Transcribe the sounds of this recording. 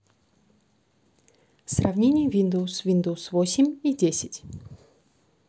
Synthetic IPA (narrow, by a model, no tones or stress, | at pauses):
srɐvnʲenʲɪjəvʲind̪əwʊsvʲind̪əwsvosʲɪmʲidʲesʲɪtʲ